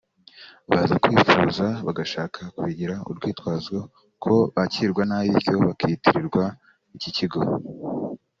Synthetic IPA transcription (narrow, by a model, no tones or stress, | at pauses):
βazakwiːfuːzaβaɡaʃaːkʰakuβiɟiɾaṵɾɡwiːtwaːzɡo | kʰo̞βaciɾɡwanaβiɾco̞βakitiɾiɾɡwa | iciciɡo̞